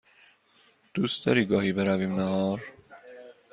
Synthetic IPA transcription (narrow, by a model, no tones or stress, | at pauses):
d̪̥uːst̪ɒɾiːɡɒːhiːbeɾæviːmnæɦɒːɾ